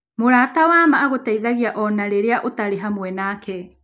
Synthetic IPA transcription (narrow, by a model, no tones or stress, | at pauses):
moɾaːtawamaːɣotaiðaɣiaʔɔnaɾeɾeaʔotaɾeɦamoɛnaːkʰɛ